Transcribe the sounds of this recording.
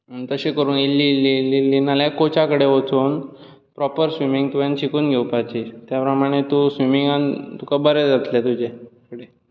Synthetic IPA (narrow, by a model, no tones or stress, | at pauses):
ət̪əɕekəɾuːnilːilːilːiːlːinaljakot͡ɕakəɽeʋot͡suːn | pɾɔpəɾsʋimiŋɡt̪ujant͡ɕikuːnɡʱeupat͡ɕit̪japɾəmaɽ̃et̪usʋimiŋɡant̪ukabəɾed͡zat̪ljat̪ud͡ʑekəɽe